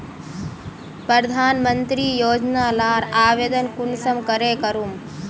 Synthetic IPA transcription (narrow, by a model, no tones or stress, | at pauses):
pɾɐɾd̪ʱaːnmənt̪ɾiːjoːd͡ʒnaːlaːɾaːʋeːd̪ənkunsɐmkɐɾeːkɐɾum